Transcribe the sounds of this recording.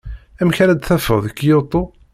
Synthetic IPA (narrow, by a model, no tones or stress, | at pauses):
æmçæɾæd̪θæfəʁðəkːjot̪ˤo